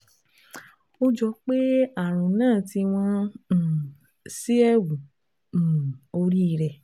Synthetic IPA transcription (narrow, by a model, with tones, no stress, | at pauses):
o˧d͡ʒɔ˧˦k͡pe˦a˦˨ɾ̃ũ˨nãː˦˨ti˧w̃ɔ̃˧˦˨ | si˦ɛ˦˨wũ˨ | o˧ɾi˦˧ɾɛ˨